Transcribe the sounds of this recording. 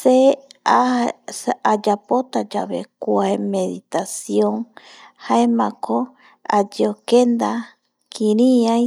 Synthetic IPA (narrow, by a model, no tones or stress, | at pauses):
sea | ad͡ʒapot̪ad͡ʒa̰βḛkʷaemeðit̪asjoŋ | haemãkʰo | ad͡ʒeokend̪a | kʰĩɾĩa